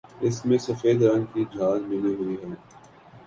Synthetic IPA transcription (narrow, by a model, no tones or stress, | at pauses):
ɪsmẽsɐfeːd̪ɾɐ̃ŋɡkid͡ʒaːzmɪliɦʊiɦɛː